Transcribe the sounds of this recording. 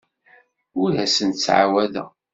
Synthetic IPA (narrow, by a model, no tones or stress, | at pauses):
ʊɾɦæsənt͡sːʕa̰wæðæ̰